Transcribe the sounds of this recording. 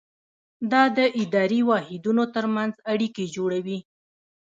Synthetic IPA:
d̪ɑd̪əʔɪd̪ɑɾiwɑhɪd̪unot̪əɾmanzaɽiked͡ʒoɽawi

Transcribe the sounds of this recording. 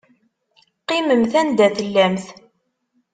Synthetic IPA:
qːɪməmθænd̪æθəlːæmθ

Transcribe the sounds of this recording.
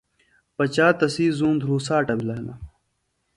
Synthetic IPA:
pɐt͡ɕaːt̪ɐsiːzũːnd̪ʱɾuːsaːʈɐbilɐɦnɐ

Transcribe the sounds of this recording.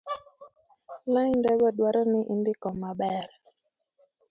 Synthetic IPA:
laɲndɛɡɔdwaɾɔnɪʔindɪkɔmabɛɾ

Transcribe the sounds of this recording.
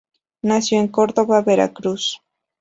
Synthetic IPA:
nasjoeŋkoɾðoβabeɾa̰kɾus

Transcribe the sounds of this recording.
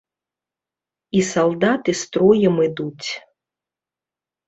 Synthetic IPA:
isalˠd̪at̪ɨst̪ɾɔjɛmɨd̪ut͡sʲ

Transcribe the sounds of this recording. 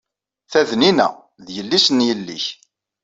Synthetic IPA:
θæðninæ̰ | ðjəlːisnjəlːḭç

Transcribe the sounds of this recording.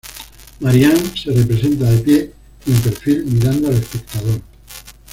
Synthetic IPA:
maɾjanserepɾesent̪aepje | empeɾfilmiɾand̪oalespek̚t̪að̞oɾ

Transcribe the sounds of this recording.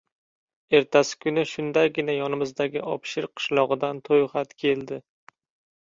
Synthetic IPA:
e̞ɾt̪ʰasɪ̥kʰʊnɪʃʊnd̪aɡʲɪnajɒnɪmɪzd̪aɡʲɪʔɒpʃɪɾqʰɨ̥ʃlˠɒʁɨd̪ant̪ʰojχat̪kʲʰe̞ld̪ɪ

